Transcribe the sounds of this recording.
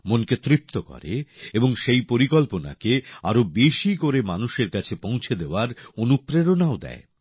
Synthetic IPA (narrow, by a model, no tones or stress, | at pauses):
monket̪ɾip̚t̪okɔ̰ɾḛeboŋʃejpoɾikɔlpona̰keaɾobeʃikoɾemanuʃeɾkat͡ɕʰepõw̃t͡ɕʰed̪eoaɾonupɾeɾonaod̪ɛ̰e